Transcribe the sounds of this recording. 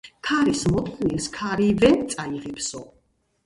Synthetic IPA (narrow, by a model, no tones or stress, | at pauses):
kʰaɾismɔt̪ʼqʰniɾskʰaɾivɛnt̪sʼaiʁɛpʰsɔ